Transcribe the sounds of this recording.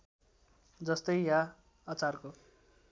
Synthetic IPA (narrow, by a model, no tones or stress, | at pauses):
d͡zʌst̪ʌjja | ʌt͡sarko